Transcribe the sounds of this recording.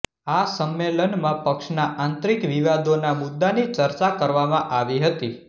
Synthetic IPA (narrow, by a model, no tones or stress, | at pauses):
asəmːelənmãpəkʃnaʔãnt̪ɾikʋiʋad̪onamʊd̪ːanit͡ʃəɾt͡ʃakəɾʋamãʔaʋiɦət̪i